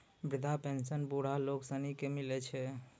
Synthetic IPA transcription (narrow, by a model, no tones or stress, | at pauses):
bɾɪd̪ʱapensənbuɽ̤aloksənikemilɛt͡ʃʰɛ